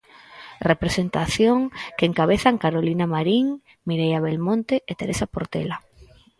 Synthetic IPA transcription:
repɾesent̪aθjoŋkeŋkaβeθaŋkaɾolinamaɾiŋ | miɾejaβelmõnt̪eʔet̪eɾesapoɾt̪ḛla

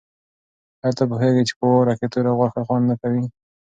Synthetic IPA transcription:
halt̪ap̬uxeɡit͡ʃe̥poɾaket̪uɾaɣwaxaxwand̪nakawi

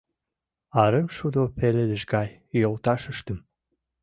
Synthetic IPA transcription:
ɑɾəmʃud̪opeled̪ɘ̆ʒɡɑj | jolˠt̪ɑʃəʃt̪ə̆m

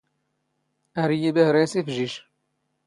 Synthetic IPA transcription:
ɐɾijebehɾeːsefʒiʃ

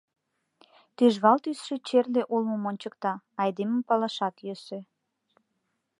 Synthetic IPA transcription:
t̪yʒβɑlt̪ysʃet͡ɕerleʔulməmonʲt͡ɕəkt̪ɑ | ɑjd̪eməmpɑlɑʃɑt̪jøsø

